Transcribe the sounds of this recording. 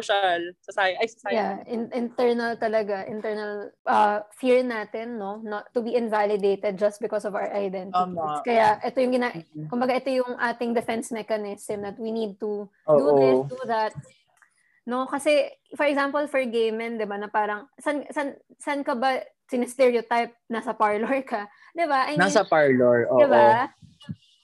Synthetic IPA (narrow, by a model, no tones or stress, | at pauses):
ʃalsɐsaːjɐajsɐsajaʔɪnʔɪnt̪ɛɹnɐlt̪ɐlɐɡaʔɪnt̪ɛɹnɐlʔɐfiɹnaːt̪ɛnːo̞noʊbiʔɪ̃nvalɪd̪ejt̪ɛd̪̚d͡ʒɐst̪̚bɪkɔsɔvawɐɹʔɐjd̪ɛntɪt̪ikɐjaʔɛt̪ojʊŋɡɪnaʔkʊmbɐɡaʔɛt̪o̞jʊŋʔaːt̪ɪŋd̪ɛfɛnsmɛkɐnɪsmd̪ɐt̪̚winid̪̚t̪u | oːd̪uoɪd̪uðɐt̪̚ | no̞kɐsɛfɔɹɛɡsampolfɔɹɡejmɛnd̪ɪbanɐpaːɾɐŋsɐnsɐn | sɐnkɐbɐ | sɪnɪst̪ɛɹiot̪ajp̚nɐsɐpaɹloɹkɐ | d̪ɪbaʔɐjnasɐpaɹloɹʔoːɪba